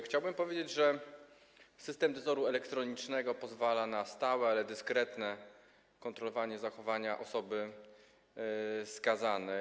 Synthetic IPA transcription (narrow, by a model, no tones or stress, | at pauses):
xt͡ɕawbɘmpɔvʲjed͡ʑed͡ʑʐɛ | sɘst̪ɛmd̪ɔzɔɾuɛlɛkt̪ɾɔɲit͡ʂnɛɡɔpɔzvalanast̪awɛalɛd̪ɘskɾɛt̪nɛ | kɔnt̪ɾɔlɔvaɲɛzaxɔvaɲaʔɔsɔbɘ | skazanɛ